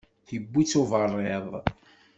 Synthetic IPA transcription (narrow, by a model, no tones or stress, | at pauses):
θibːit͡sːovərˤːeðˤ